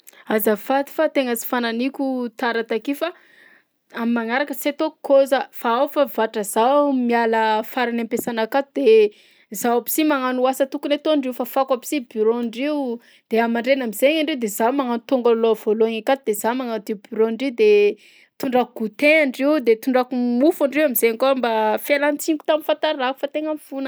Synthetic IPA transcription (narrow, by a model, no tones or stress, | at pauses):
azəfat̪i̥fat̪eŋət͡si̥fananikʲut̪aɾat̪akifa | amimaŋaɾakəset̪okʰozəfaawfavaʈ͡ʂəz̥awmialəfaɾanampesanakat̪ud̪̥e | zawapi̥simaŋanuasət̪ukunet̪oɳɖ͡ʐiufafakapi̥sibiɾonɖ͡ʐiw | d̪̥eamaɳɖ͡ʐenamizeɲaɳɖ͡ʐeud̪ezamaŋanut̪uŋɡaloav̥oloaŋakat̪ud̪̥ezamaŋanud̪ebyɾoɳɖ͡ʐid̪e | t̪uɳɖ͡ʐakuɡ̥ut̪eaɳɖ͡ʐiwd̪et̪uɳɖ͡ʐakumufaɳɖ͡ʐiwamizeaŋkambafelant͡siŋɡu̥t̪amifant̪aɾaku̥fat̪eŋamfunə